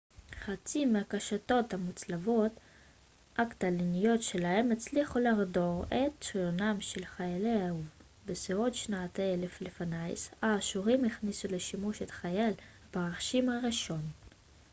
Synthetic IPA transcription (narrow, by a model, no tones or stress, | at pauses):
χat͡simeakaʃato̞thamut͡slavo̞t | ʔaktalinijo̞tʃelahe̞met͡sliχulaʁdo̞ʁet̚t͡ʃʁijonamʃelχajaleauv | beseotʃnaatele̞flefanajsaːʃuʁimeχnisuleʃimuʃet̪χajal | baʁaχʃimhaʁiʃo̞n